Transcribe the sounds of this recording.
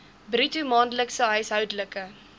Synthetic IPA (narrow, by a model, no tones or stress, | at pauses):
britumɑːndələksəɦəjsɦœwdələkə